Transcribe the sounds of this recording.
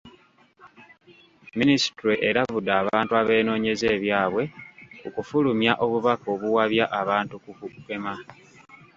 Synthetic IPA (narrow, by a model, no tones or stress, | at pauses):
minisi̥tuɾeʔeɾavud̪aːβaːntuaβe̞ːno̞ːɲe̞ze̞ːβjaːβwe̞kokufulumjaʔo̞βuβako̞βuwaβjaʔaβaːntukukuke̞ma